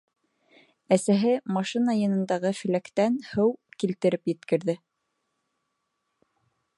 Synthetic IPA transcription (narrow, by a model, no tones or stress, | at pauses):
æsæɦɘmɑʃinɑjɤ̆nɤ̆nd̪ɑʁɤfɘ̆lækt̪ænhɤwkilt̪ɘ̆ɾɘpjɘ̆t̪kɘ̆ɾðɘ